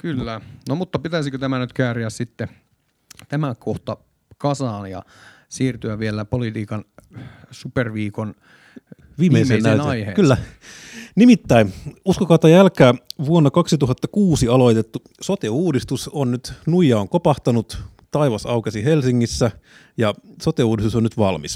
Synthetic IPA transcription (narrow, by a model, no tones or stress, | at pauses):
kylːænomut̪ːɑpit̪æsikøt̪æmænyt̪kæːriæssit̪ːe | t̪æmækoht̪ɑ | kɑsɑːnjɑ̰ | siːrt̪yæʋielæpolit̪iːkɑn | superʋiːkon | ʋiːmːeisennæytneɑihekylːæ | nimit̪ːæinuskokɑut̪ːɑjælkæːʋuonːɑkɑksit̪uɦɑt̪ːɑkuːsiɑlo̞it̪et̪ːu | sot̪euːdist̪usonnyt̪nuijɑoŋkopɑht̪ɑnut̪ | t̪ɑiʋɑsɑukesiɦelsiŋːisːæ | jɑsot̪euːdist̪usonyt̪ʋɑlmis